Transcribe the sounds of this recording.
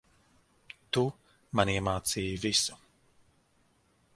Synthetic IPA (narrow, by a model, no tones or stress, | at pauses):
t̪u | maniɛmaːt̪siːjvisu̥